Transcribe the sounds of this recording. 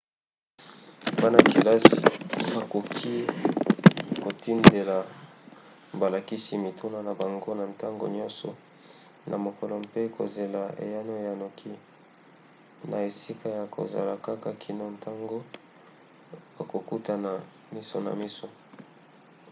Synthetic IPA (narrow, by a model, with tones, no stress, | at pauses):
ba˦na˨ki˨la˦si˨ba˨ko˨kʰi˦ | ko˨ti˦nde˨la˨ | ba˨la˨ki˦si˦mi˨tʰo˦na˨na˨ba˨ŋɡo˦na˨nta˦ŋɡo̰˨ɲɔ̃˦nsɔ̰˨ | nʔa˨mo˨kɔ˨lɔ˨mpe˦ko̰˨ze˨la˨ḛ˨ja˦no˦ja˨no˨kʰi˦ | na˨e˨si˦kʰa˦ja˨kʰo̰˨za̰˨la˨ka˦ka˦˨kʰi˨no˦nta˦ŋɡo˦ | ba˨ko˨ku˦ta˨na˨ | mi˦so̰˨na̰˨mi˦so˨